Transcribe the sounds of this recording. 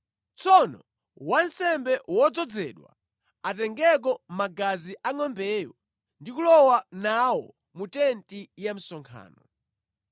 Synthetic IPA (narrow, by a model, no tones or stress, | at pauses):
t͡sʰɔnɔ | wan̩sɛmbɛwɔd͡zɔd͡zɛ̰ɗwa̰ | atɛŋɡɛk̬ɔmaɡaziʔaŋɔmbɛjɔ | ndik̬ulɔwanawɔ | mutɛntijam̩sɔŋkʰa̰ːnɔ